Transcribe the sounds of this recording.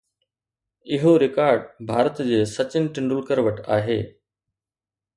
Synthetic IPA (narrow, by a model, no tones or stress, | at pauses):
ɪɦoɾɪkaːɾɖbʱaːɾət̪d͡ʑeːsɐt͡ɕɪnɪʈɪ̃ɳɖʊlkəɾʋəʈaːɦḛː